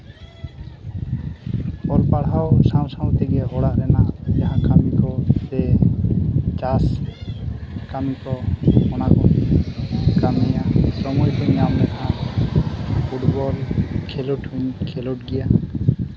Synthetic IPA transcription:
bɔlpaɽɦawsãw̃sawt̪iɡɛʔɔɽaʔɾɛnaʔd͡ʒaɦãkamikɔt̪ɛ | t͡ʃas | kamikɔmɔnakɔ | kamijasɔmɔjkʰɔɲːamnɛʔã | pʰuʈbɔlkʰɛluʈuɲkʰɛluʈɡɛja

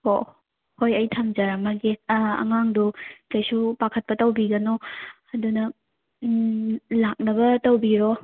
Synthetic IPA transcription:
ho̰ | hojɐjtʰamd͡ʒaɾamaɡeɐ̰ŋaŋdukajsupakʰɐt̚pɐtɐwbiɡɐno | ɐdunɐ | lak̚nɐbɐtɐwbiɾo

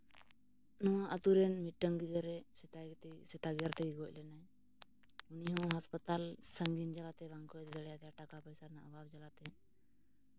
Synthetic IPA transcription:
nɔ̃ət̪uɾɛnmiʈːəŋɡid͡ʒ̪əɾɛsɛt̪asɛt̪aɡjaɾt̪ɛɡɛɡɔc̚ˀlɛnaɛ | uniɦɔ̃ɦaspət̪alsəŋɡind͡ʒalat̪ɛβaŋkɔt̪ɛd̪ɛɽɛjat̪ɛaʈakapɔjsaɾnaʔababd͡ʒalat̪ɛ

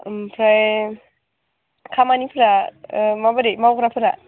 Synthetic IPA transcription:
mpʰɾaj | kʰamanipʰɯɾamabademawkɾapʰɯɾa

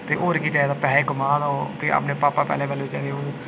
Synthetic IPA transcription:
t̪eːʔoːɾkiːt͡ʃaːd̪aːpɛːeːɡʊmaːd̪opiːa̰pneːpaːpaːpɛ̰ːleːbɛːloːt͡ʃa̰ːɾeõ

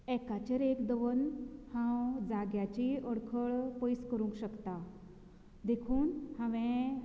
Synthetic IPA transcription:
ɛkat͡ɕeɾekd̪əʋənhãwd͡zaɡjat͡ɕiəɽkʰəɭpəjskəɾũŋkɕəkt̪a | d̪ekʰuːnhãʋẽ

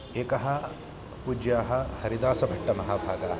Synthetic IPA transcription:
eːkɐɦɐ̆ | pud͡ʒjaːɦɐhɐɾid̪aːsɐbʱɐʈːɐmɐɦaːbʱaːɡaː

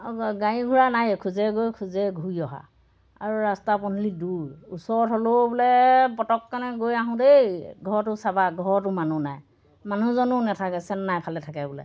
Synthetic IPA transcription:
ɡajĩɡʱuɹanajkʰuzɛɡojkʰuzɛɡʱuiɔɦa̰ | aɹuɹastapɔnuliduɹusɔɹɔtɦɔlobɔlɛpɔtɔkːanɛɡojaɦʊ̃dejɡʱɔɹɔtʊsabaɡʱɔɹɔtʊmanunaj | manuzɔnʊnɛtʰakɛsɛnnajpʰalɛtʰakɛbɔlɛ̰

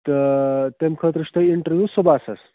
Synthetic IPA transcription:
t̪ət̪emkʰət̪ɾiʂt̪əiɳʈəɾʋjuːsubʱasɐs

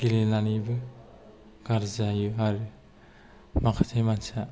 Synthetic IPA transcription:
ɡ̥ilenanibɯ | ɡ̥aɾzajuɦaɾɯ | makʰatʰemansa

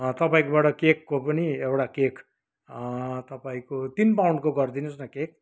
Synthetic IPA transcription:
t̪ʌpaĩkobaʈʌkekːopʌniewʈakekʰ | t̪ʌpaĩkot̪inpawɳɖkoɡʌrd̪inosnʌkek̚

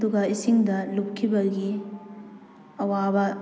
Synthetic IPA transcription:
duɡɐisiŋdɐlup̚kʰːibɐɡi | ɐwabɐ

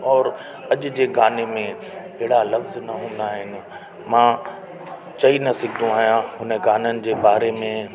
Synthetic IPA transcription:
ɔːɾ | ɐʄʊ̆d͡ʑeːɡaːnemẽ | ɐɦɪɽalɐfznɐɦũːn̆d̪aːɦɪnɪ̆ | mãː | t͡ɕɐinɐsɪɡʱɪd̪ũaːɦijãɦʊnəɡaːnənɪ̆d͡ʑeːbaːɾemẽ

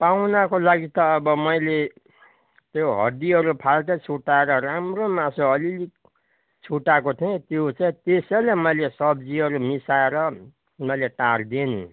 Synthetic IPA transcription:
pawnakolaɡit̪ʌːbʌmʌjle | t̪joɦʌ̰d̪iʌɾupʰalʈ̪ʌt͡sʰuʈaeɾʌɾamromãsõʌlilik | t͡sʰuʈakot̪ʰiẽt̪jot͡saĩt̪esʌjlamʌjlesʌbd͡ziʌɾumisaeɾʌ | mʌjleʈard̪enṵ

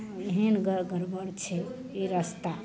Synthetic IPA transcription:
eɦenɡɡəɾbəɽt͡ʃʰɛ | eɾəst̪a

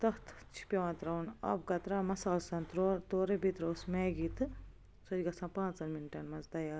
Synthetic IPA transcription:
t̪ɐht̪ʰt͡ʃʰi̥pʲeʋɐ̃nt̪ɾɐwnɐ̰b̚ɡɐt̪ɾaːmɐsaːlsɐ̃nt̪ɾoɾt̪oːɾebit̪ɾoːsmeɡit̪ɨ | sod͡ʒɡɐsɐ̃ːpãːnt͡sɐnminʈɐnmɐnzt̪ɐjaːɾ

